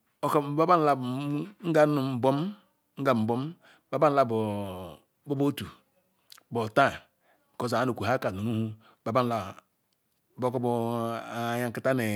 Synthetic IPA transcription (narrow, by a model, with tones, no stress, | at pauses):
o˨kba˦ba˦n˨la˦bŋ̩˦ɡa˦nu˨m̩˨bo˦m | ŋ̩˦ɡa˨m̩˨bo˦m | ba˨˦ba˦n˦la˦bo˨ | bo˦bo˦tu˨ | bo˨ta˦˨ | ko˦˨za˨a˨˦no˨ku˨ɦa˦ka˨nu˨nu˦hu˦ | ba˨˦ba˦n˦la˨ | bo˦ko˦bo˦˨ | ja˦ŋ˨ki˦ta˦ne˨